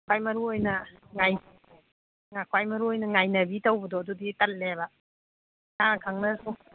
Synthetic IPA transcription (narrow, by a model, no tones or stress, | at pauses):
kʰwajmɐɾuojnɐŋaj | ŋakʰwajmɐɾuojnɐŋajnɐbitawbɐdɔɐduditɐt̚leβa | taŋkʰaŋnɐsu